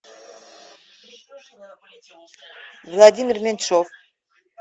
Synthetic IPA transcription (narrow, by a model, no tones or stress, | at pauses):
vlˠad̪ʲimʲirmʲenʃof